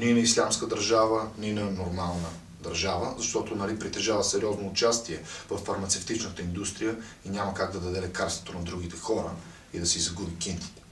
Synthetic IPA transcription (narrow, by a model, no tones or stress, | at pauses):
ninɐislʲamskəd̪ɐɾʒavəninɐnoɾmalˠnə | d̪ɐɾʒavə̰zɐʃt̪ɔt̪onɐlipɾit̪ɛʒavəsɛɾiɔznoːt͡ʃast̪iɛvəffːɐɾmɐt̪sɛft̪it͡ʃnət̪əind̪ust̪ɾijə | iɲʲamɐəkaɡd̪ɐd̪ɐd̪ɛlɛkaɾst̪vot̪onɐd̪ɾuɡit̪ɛxɔɾə | id̪ɐsɛizɐɡubikint̪i̥t̪ɛ̥